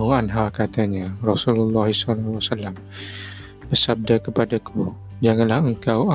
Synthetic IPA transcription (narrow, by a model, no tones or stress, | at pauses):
uanɦakat̪aɲarɔsululːɑɦisalːwasalːam | bərsab̚dakəpadakʰu | d͡ʒaŋanlahəŋkawa